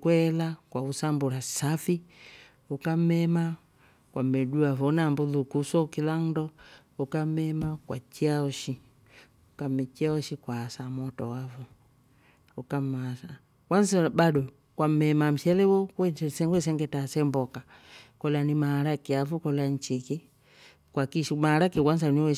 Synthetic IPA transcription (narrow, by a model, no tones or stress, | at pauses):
kwɛlakwausambuɾasafi | ukam̩mɛma | kwamɛɗuavɔnambuðukusɔkilan̩dɔ | ukam̩ɛmakwat͡ʃiaɔʃi | ukamɛt͡ʃiaɔʃikwaːsamɔtɔwavɔ | ukamasa | kwanzabaɗɔ | kwam̩mɛmam̩ʃɛlɛwɔkɛsɛŋɡɛs̬ɛŋɡɛtasɛmbɔka | kɔlanimaaɾakiavɔkɔlan̩t͡ʃiki | kwakiʃmaaɾakiwanzaniɛ